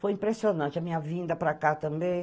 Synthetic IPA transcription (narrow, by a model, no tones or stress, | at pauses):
fojĩmpɾesionɐ̃nt͡ʃɪɐmĩɲɐvĩnd̪ɐpɾakat̪ɐ̃mbẽj̃